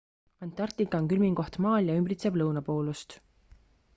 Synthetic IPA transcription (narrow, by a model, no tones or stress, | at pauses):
ɑnt̪ˑːɑrt̪ikːɑŋkylmiŋko̞ht̪mɑːljɑymbɾit̪seb̥lɤwnɑpo̞ːlust̪